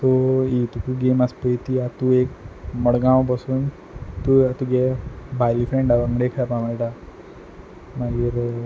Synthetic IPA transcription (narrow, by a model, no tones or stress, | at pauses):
t̪oit̪ukuɡemaspəit̪iat̪uekməɽɡãwp̬əsuːn | t̪uat̪uɡɛbʱajlifɾẽɳɖaʋəŋɡɽekʰaapãməniʈa | maɡiɾ